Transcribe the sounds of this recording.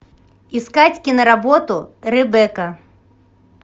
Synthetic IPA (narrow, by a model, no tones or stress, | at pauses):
iskat͡sʲkʲinɐɾabɔt̪uɾɛbɛkɐ